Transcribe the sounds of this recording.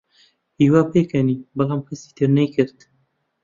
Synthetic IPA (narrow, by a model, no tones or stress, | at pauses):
hiːwaːpeːkʰɛniːbɐlaːmkʰɐsi̥ːt̪ʰɨɾnɛjkɨɾt̪